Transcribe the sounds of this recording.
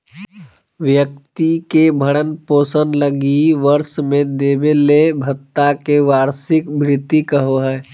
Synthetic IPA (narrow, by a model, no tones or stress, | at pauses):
ʋjək̚t̪ikebʱəɽənpoːsənləɡiʋəɾsmẽd̪eːbelebʱət̪ːakeʋaːɾsɪkbɾɪt̪ːikəɦoɦɛː